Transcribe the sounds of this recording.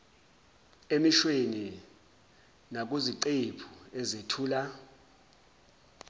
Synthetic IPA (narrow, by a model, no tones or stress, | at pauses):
emiʃweni | nak̬ʼuziǀepʰu̥ɛzetʰuːla